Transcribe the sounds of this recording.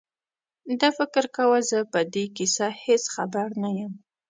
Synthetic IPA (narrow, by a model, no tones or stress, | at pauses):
d̪afɪkɾkawəzəpəd̪ekisahesxabaɾnajəm